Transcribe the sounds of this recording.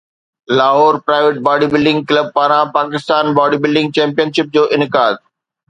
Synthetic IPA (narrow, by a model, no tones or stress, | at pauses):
laːɦɔːɾpɾaːɪʋeʈ̚baːɖiːbɪlɖɪ̃ŋɡ̚kləb̚paːɾãpaːkɪst̪aːnbaːɖiːbɪlɖɪ̃ŋɡ̚t͡ɕɛ̃ːmpijənʃɪp̚d͡ʑoːʔɪnɪkaːd̪̚